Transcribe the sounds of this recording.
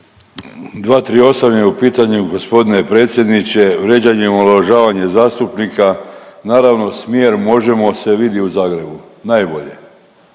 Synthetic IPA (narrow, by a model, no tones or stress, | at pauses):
d̪ʋaːt̪ɾio̞samɲeupiːt̪aɲuɡo̞spo̞d̪ine̞pɾe̞ːt̪sʲje̞d̪nit͡ɕe̞ʋɾe̞d͡ʑaɲemoloʒaːʋaɲe̞zaːst̪upnikanaːɾaʋno̞smjeːɾmo̞ʒe̞mo̞se̞ʋid̪jiuzaːɡɾe̞bu | najbo̞ʎe̞̰